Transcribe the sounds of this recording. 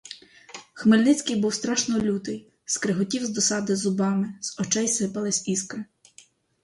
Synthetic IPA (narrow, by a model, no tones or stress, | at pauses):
xmɪlʲnɪt͡sʲkɪjbuwst̪ɾɑʃnɔlʲut̪ɪj | skɾɪɦʊtʲiwzd̪ɔsɑd̪ɪzʊbɑmɪz̥ɔt͡ʃɛjsɪpɐlˠɪsʲiskɪ